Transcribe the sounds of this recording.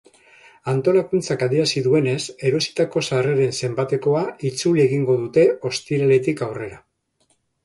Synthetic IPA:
ant̪o̞lakunt͡sakaðiɾasiðue̞ne̞se̞ɾo̞si̥t̪ako̞sareɾe̞nse̞mbat̪e̞ko̞ait͡sulieɣiŋɡo̞ðut̪e̞o̞st̪iɾale̞t̪ikawre̞ɾa

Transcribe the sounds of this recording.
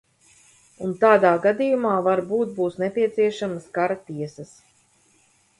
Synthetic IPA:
unt̪aːd̪aːɡad̪ijumaːvaɾbuːt̪̚buːsnɛpʲiɛt̪siɛʃamɐskaɾat̪iɛsɐs

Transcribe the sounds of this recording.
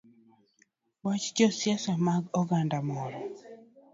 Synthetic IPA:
wat͡ʃd͡ʒɔsjasamaɡɔɡandamɔɾɔ

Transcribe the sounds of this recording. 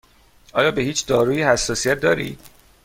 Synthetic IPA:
ʔɒːjɒːbe̞hiːt͡ʃʰd̪ɒːɾuːjihæsːɒːsijæt̪̚d̪ɒːɾḭːd̪̥

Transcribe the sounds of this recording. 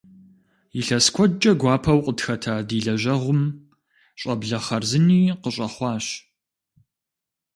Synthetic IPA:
jiɬɐskʷʰɔd͡ʒʼɐɡʷɑːpʰɐwqʼətxɐtʰaːdiːɮɐʒɐʁʷʊm | ɕʼɐbɮɐχɐrzɨniːqəɕʼɐχʷɑːɕ

